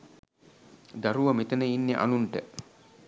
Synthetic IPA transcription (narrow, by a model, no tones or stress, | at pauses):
d̪ɐɾuʋɐmit̪ɐnəinːeʔa̰nuɳʈə